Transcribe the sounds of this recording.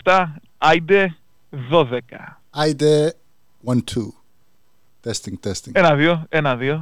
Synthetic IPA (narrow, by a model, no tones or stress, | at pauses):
t̪a | ajd̪e | ðoðeka̰ | ajde | wãntʰu | t̪ʰɛst̪ɪ̃ŋt̪ʰɛst̪ɪ̃ŋenaðjoenaðjo